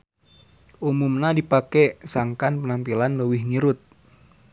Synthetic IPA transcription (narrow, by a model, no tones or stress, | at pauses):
ʔumumnadipakɛsaŋkanpənampilanləwɪhŋiɾʊt̪̚